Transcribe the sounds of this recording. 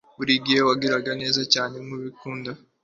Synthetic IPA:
βuɾiɡijewaɡiɾaɡane̞ːzacaːne̞muβikuːnda

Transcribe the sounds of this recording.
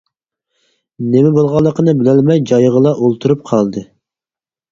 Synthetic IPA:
nemɛbolˠʁɑlˠːəqənɨbɪlælmɛjd͡ʒɑjʁəlˠɑʔolˠt̪ʰuɾup̚qʰɑlˠd̪ɨ

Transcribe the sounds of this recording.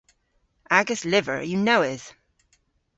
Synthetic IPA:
ʔaɡəslɪvə̰˞jɨnoʊɪz̥

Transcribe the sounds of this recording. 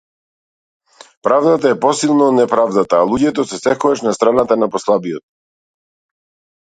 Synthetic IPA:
pɾavd̪at̪aɛpɔsilˠnɔd̪nɛpɾavd̪at̪aːlˠuɟɛt̪ɔsɛsɛkɔɡaʃnast̪ɾanat̪anapɔslˠabijɔt̪̚

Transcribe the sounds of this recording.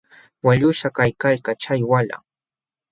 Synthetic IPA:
waʎʊʃakajkaʎkat͡ʃajwala̰ŋ

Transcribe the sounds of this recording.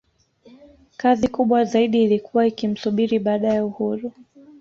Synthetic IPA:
kazikuɓwazaiɗiːlikʰuwaikim̩suɓiɾiɓaːɗajɛuhuɾu

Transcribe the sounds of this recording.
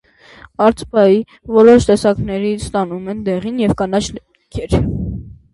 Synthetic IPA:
ɑɾt͡spɑji | vɔɾɔʃt̪ɛsɑknɛɾit͡sʰst̪ɑnumɛnd̪ɛʁinjɛvkɑnɑt͡ʃʰ | kʰɛɾ

